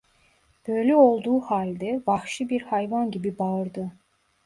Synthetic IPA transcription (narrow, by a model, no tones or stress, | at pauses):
b̥ø̞jlʲɛo̞lˠd̪uːhalʲd̪ɛvaxʃɯbiɾhajvanɟibibaɯɾd̪ɯ